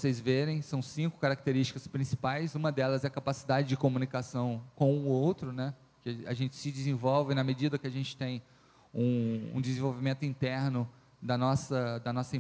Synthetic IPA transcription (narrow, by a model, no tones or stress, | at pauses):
sejzveɾẽj̃sɐ̃w̃sĩŋkʊ̥kaɾak̚t̪eɾist͡ʃi̥kɐspɾĩsi̥pajzũmɐd̪ɛlɐzɛɐkapasid̪ad͡ʒɪd͡ʒɪkomũnikasɐ̃w̃kõw̃ʊowt̪ɾʊnɛ | kɪɐ̰ʒẽnt͡ʃɪ̥sɪd͡ʒɪzẽvɔwvɪnɐmed͡ʒid̪ɐkɪɐʒẽnt͡ʃɪ̥t̪ẽj̃ | ũṵ̃d͡ʒɪzẽvowvimẽnt̪ʊĩnt̪ɛɾnʊ | d̪ɐnɔsɐd̪ɐnɔsɐĩ